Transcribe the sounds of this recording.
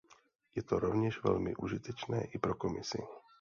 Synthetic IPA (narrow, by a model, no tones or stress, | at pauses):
jɛt̪oɾovɲɛʒvɛ̰lmɪ̰ʔuʒit̪ɛt͡ʃnɛ̰ːʔipɾokomɪsɪ̰